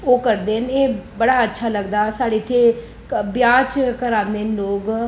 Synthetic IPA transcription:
oːkəɾd̪eːəneːbəɽaːətːʃʰaːləɡd̪aːsaːɽeːt̪ʰːeː | bjaːt͡ʃkəɾãːnd̪eːnloːɡ

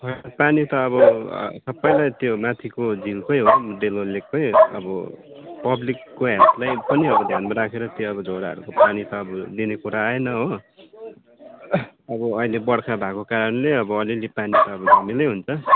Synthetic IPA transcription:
pʰʌpanit̪ʌːβʌ̰sʌpːʌj̃lajt̪jomat̪ʰikod͡zilkʌjɦomud̪elɦolːek̚pʌjʌ̰bʌ | pʌblikːoɦat̪lajpʌniʌbʌd̪ʱjanmaɾakʰeɾʌt̪joʌbʌd͡zʱoɾaɦʌ̰ɾṵkopanit̪ʌːbʌd̪inekuɾaːenʌɦo | ʌbʌʌilebʌɽkʰabʱakokaɾʌnleʌbʌʌlilipanit̪ʌːbʌd͡zʱʌmilʌjɦunt͡sʰʌ

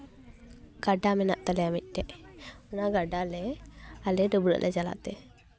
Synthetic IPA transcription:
ɡ̥aɖamɛnaʔt̪alɛamic̪̚ˀʈɛʔɔnaɡaɖalɛalɛdɔbɾə̰ʔlʔɛd͡ʒala̰ʔt̪ɛ

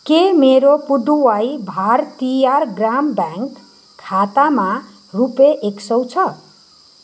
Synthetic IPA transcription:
kemeɾopuɖ̪uwajbʱart̪ijarɡrambaŋk | kʰːat̪ama | rupeʔeksʌwt͡sʰʌ

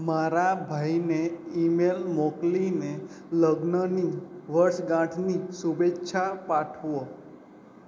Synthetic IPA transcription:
maɾabʱaineimelmokline | ləɡnəniʋəɾʃɡãʈʰnisubetːʃʰapaʈʰʋo

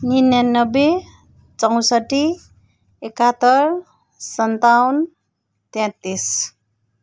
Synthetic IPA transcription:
ninjanʌbe | t͡sʌw̃sʌʈi | ekat̪ʌɾ | sʌnt̪awn | t̪ãt̪is

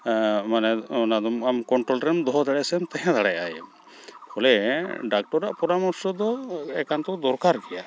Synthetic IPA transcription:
manɛnad̪ɔmamkɔɳʈɾɔlɾɛmd̪ɔɦɔd̪aɽasɛmt̪ɛɦãd̪aɽɛjajɛm | hʰɔlɛɖak̚ʈɔɾːaʔpɔɾamɔɾsɔd̪ɔɛkant̪ɔwd̪ɔɾkaɾkɛja

